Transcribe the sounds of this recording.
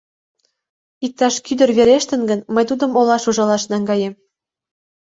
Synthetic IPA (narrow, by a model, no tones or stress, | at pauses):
ik̚t̪ːɑʃkyd̪ə̆rβeɾeʃt̪ə̆nɡə̆nmə̆jt̪ud̪ɤ̆molɑʃuʒɑlɑʃnɑŋɡɑjem